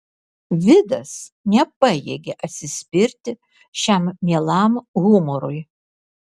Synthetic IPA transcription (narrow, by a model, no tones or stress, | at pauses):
vʲɪd̪ɐs | nʲɛpɐjɛɡʲɛʔɐt̪ʲsʲɪsʲpʲɪɾʲt̪ʲɪ | ʃʲæmːʲiɛlˠamɣʊmɔɾuj